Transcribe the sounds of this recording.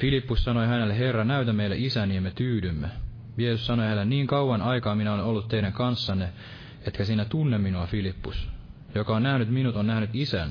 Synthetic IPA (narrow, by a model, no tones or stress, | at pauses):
filipːussɑnojɦænelːeɦe̞rːɑnæyt̪æmmejlːeʔisæniemːet̪yːdymːe | je̞ːsusːɑnojhælːenniːŋkɑuɑnɑjkɑːminæoleno̞lːut̪t̪e̞jɾæŋkɑnsːɑnːe | et̪kæsiːnæt̪unːeminuɑfilipːṵs | jokɑonnæhnyt̪minut̪onnæhnyt̪isæn